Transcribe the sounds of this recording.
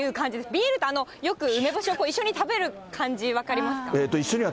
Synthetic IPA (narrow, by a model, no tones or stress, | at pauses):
ɯ̟ːkãɲ̟d͡ʑid̪esbʲiːɾɯ̟t̪oano̞jo̞kɯ̟ɯ̟me̞boɕioko̞ːiɕːo̞ɲ̟it̪abe̞ɾɯ̟kʰãɲd͡ʑiβ̞akaɾʲimasɨ̥kaet̪ːo̞iɕːoɲ̟iβa